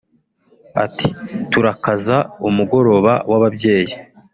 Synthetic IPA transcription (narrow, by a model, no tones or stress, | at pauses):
a̰tituɾakazaumuɡo̞ɾo̞βa̰waβabje̞ːji